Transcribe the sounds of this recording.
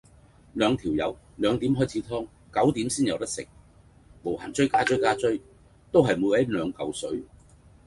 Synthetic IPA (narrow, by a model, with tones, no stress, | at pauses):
lœː˨˧ŋt̪ʰiː˨˩wjɐ̰˨˧w | lœː˨˧ŋt̪iː˨˥mɦɔː˥jt͡sʰiː˨˥t̪ʰɔː˥ŋ | kɐ˨˥wt̪iː˨˥msiː˥njɐ˨˧wt̪ɐ˥sɪ̰˨˩k̚ | mo˨˩wha̰ː˨˩nt͡sɵ˥ɥkaː˥t͡sɵ˥jkaː˥t͡sɵ˥ɥ | t̪o˥wɦɐ˨jmu˨˧˥wɐ˨˥lœː˨˧ŋkɐ˨wsɵ˨˥ɥ